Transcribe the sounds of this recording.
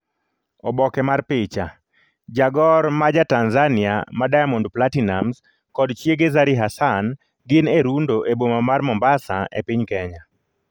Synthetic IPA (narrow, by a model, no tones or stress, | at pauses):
ɔbɔkɛmarpɪt͡ʃa | d͡ʒaɡɔɾmad͡ʒatanzanɪa̰madajamɔndplatinamz | kɔdt͡ʃjeɡezaɾiɦasan | ɡɪneɾundoʔebomamarmɔmbasa̰ḛpɪɲkɛɲa